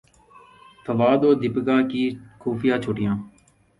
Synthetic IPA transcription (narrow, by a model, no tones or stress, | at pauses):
fʰəʋaːd̪oːd̪ɪpɡaːkiːkʰuːpʰɪjãːt͡ʃʰʊʈɪjãː